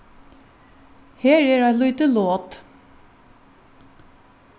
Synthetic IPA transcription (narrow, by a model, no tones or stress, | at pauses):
heːɹeːɹɑlʏʏt̪əloːt̪